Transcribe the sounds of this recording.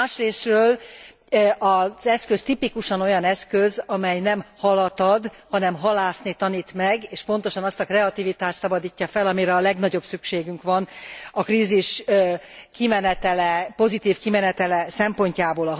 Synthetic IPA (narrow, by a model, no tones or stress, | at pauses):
aːʃreːsrøːl | ɒzɛskø̞st̪ipikuʃɒno̞jɒnɛskøzɒmɛjnɛmhɒlɒt̪ɒd̪hɒnɛmɦɒlaːsnit̪ɒniːt̪mɛɡeːʃpon̪t̪o̞ʃɒnɒst̪ɒkrɛɒt̪ivit̪aːʃt̪sɒbɒd̪iːcːɒfɛlɒmiɾɛːlɛɡnɒɟo̞bsykʃeːɡyŋkʋɒnɒkriːziʃ | kimɛnɛt̪ɛlɛpo̞zit̪iːfkimɛnɛt̪ɛlɛsɛmpo̞ɲcaːboːlɒ